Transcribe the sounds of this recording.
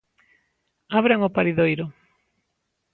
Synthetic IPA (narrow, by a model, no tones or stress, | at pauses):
aβɾaŋopaɾiðojɾʊ